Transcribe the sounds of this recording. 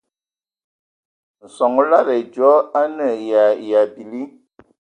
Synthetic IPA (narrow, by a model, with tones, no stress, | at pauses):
n̩˨sɔ˨ŋ˦la˦˨ɾɛ˨d͡ʒɔ˨˦a˦nə˦˨ja˨ja˨bi˨li˦